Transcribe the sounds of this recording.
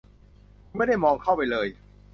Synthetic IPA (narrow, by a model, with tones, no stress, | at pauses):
ma˥˩jda˥˩jmɔː˧ŋkʰa˥˩wpa˧jlɤː˧j